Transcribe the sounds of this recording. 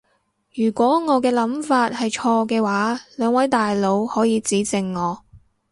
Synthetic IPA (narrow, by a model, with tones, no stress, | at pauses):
jyː˨˩kʷɔː˨˥ŋɔː˨˧kɛː˧lɐ˨˥mfaː˧t̚hɐ˨jt͡ʃʰɔː˧kɛː˧waː˨˥lœː˨˧ŋwɐ˨˥jt̪aː˨jlo˨˧whɔː˨˥jiː˨˧t͡siː˨˥t͡sɪ˨ŋːɔː˨˧